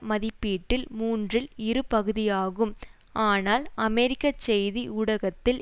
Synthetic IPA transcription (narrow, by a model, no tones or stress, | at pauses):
mɐðɪpːiːʈːɪlmuːndrɪlɪɾɯpɐɣɯðɪjaːɣɯm | aːnaːlɐmɛɾɪkːɐt͡ʃːɛjðiʔuɽɐɣɐt̪ːɪl